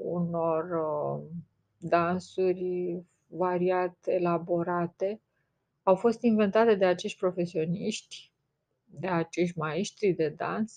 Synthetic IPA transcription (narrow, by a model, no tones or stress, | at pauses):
ṵno̞r | d̪ansurʲ | vaɾiat̪e̞labo̞ɾat̪e̞ | awfo̞st̪inve̞nt̪at̪e̞d̪e̞at͡ʃe̞ʃt̪̚ʲpɾo̞fe̞sio̞niʃt̪ʲ | d̪e̞at͡ʃe̞ʃt̪ʲmaeʃt̪ɾid̪e̞d̪a̰ns